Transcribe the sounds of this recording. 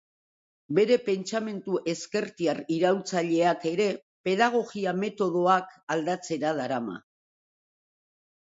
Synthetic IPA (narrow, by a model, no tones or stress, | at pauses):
be̞ɾe̞pe̞nt͡ʃame̞nt̪uʔe̞ske̞ɾt̪iariɾawt͡saʎe̞ake̞ɾe̞ | pe̞ðaɣ̞o̞ɣiame̞t̪o̞ðo̞akald̪at͡se̞ɾaðaɾama̰